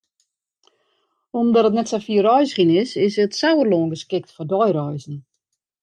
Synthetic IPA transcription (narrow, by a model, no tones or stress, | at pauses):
omdɔtət̬nɛtsafiərœjsxinɪsɪsətsawərloːnɡəskɪk̚tfɔdɔjrɔjzn̩